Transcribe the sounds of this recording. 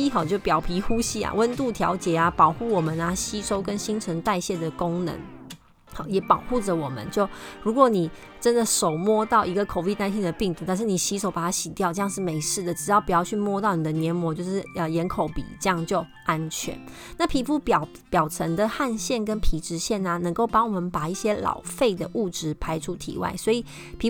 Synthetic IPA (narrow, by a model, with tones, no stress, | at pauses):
i˥xɑ˨˩ʊt͡ɕjo˥˩ʊpjɑ˨˩ʊpʰi˧˥xu˥ɕi˥a̰˨wə˦˥nt̪u˥˩t̪ʰjɑ̰˧˥ʊt͡ɕjɛ˨˩a˧pɑ˨˩ʊxu˥˩wɔ˨˩mə˨na˦ɕi˥ʂo˥ʊkə˦˥nɕi˥ŋʈ͡ʂʰə˧˥ŋt̪a˥˧ɪɕjɛ˥˩d̪ə˩ko˥ŋnə̰˧˦ŋ | hɑ˨˩jɛ˨˩pɑ˨˩ʊxu˥˩ʈ͡ʂə˨˩wɔ˨˩mə̰˦nt͡ɕjo˥˩ʊɻu˧˥kwɔ˨˦ni˨˩ | ʈ͡ʂə˦˥nd̪ə˨ʂo˨˩ʊmwɔ˥˧t̪ɑ˥˩ʊi˧˥ɡə˧˨kʰo˨˩ʊpi˥˧t̪a˥˧ɪɕ̬jɛ˥˩nd̪ə˩pi˥˩ŋt̪u˧˥t̪a˥˧nʂ̬ɻ̩˥˩ni˨˩ɕi˧˥ʂo˨˧˦pa˨˩a˥ɕi˨˩t̪jʊʈ͡ʂɤ˥˧jŋʂɻ̩˥˩me˧˥ɪʂɻ̩˥˩d̪ə˩ʈ͡ʂɻ̩˨˩jɑ˥˩pu˨˩jɑ˥˧t͡ɕʰy˥˧mwɔ˥˧t̪ɑ˥˩ʊni˨˩d̪ə˦njɛ˧˥nmwɔ˧˦t͡ɕjo˥˧ʊʂɻ̩˥˩ə˨jɛ˧˥nkʰo˧˥ʊpḭ˨˩ʈ͡ʂɤ˥˧jɑ˥˧ŋt͡ɕjo˥˩ʊ | a˦nt͡ɕʰɥɛ̰˧˥n | na˥˩pʰi˧˥pu˥˩pjɑ˨˩ | pjɑ˨˩ʊʈ͡ʂʰə˧˥ŋd̪ə˨xa˥˧nɕjɛ˥˩nkə˦˥npʰi˧˥ʈ͡ʂɻ̩˧˥ɕjɛ˥˩nə˨nə˧˥ŋko˥˩ʊpɑ˥ŋwɔ˨˩mə˧˦npa˨˩i˥˩ɕjɛ˥lɑ̰˨˩ʊfe˥˩ɪd̪ə˩ʔu˥˩ʈ͡ʂɻ̩˧˥pʰa˧˥ɪʈ͡ʂʰu˥t̪ʰḭ˧˥˦wa̰˥˩ɪswɔ˧˥i˨˩ | pʰi˧˥